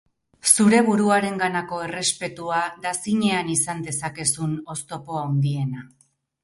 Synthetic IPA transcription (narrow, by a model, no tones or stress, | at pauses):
suɾe̞β̞uɾuaɾe̞ŋɡanako̞e̞re̞spe̞t̪uad̪asiɲe̞anisand̪e̞sake̞suno̞st̪o̞po̞aond̪ie̞na